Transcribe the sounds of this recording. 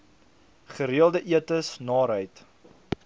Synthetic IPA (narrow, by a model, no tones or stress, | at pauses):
χəɾiəlˠdəʔiətəsnɑːɾɦəjt